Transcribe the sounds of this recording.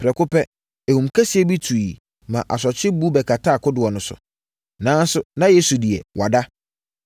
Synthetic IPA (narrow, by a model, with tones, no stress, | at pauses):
pʰɾɛ˨kʊ˦pɛ˦ | e˨hũ˨mkʰɛ˦si˨˦ɛ˦bi˦tʰu˨i˨ | mã˨ʔa˨s̬ɔ˨t͡ɕʰɪ˦bu˦bɛ˨kʰa˨tʰa˦˨kʰʊ˦dɪ˨wɔ˨nʊ̃˨sʊ̰˨ | nãː˦n˦sʊ˨nã˦je˦su˨dɪ˨ɛ̰˨wʔa˨da˦